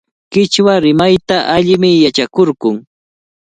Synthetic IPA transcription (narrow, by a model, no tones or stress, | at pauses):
kɪt͡ʃwaɾɪmajt̪aʔaʎɪmɪjat͡ʃakoɾɢʊŋ